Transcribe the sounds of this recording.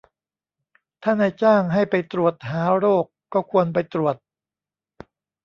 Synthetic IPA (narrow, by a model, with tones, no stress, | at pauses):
t̪ʰaː˥˩naː˧jt͡ɕaː˥˩ŋɦa˥˩jpa˧jt̪ɾu˨˩ət̪̚ɦaː˩˦ɾoː˥˩kːɔː˥˩kʰu˧ənp̬a˧jt̪ɾu˨˩ət̪̚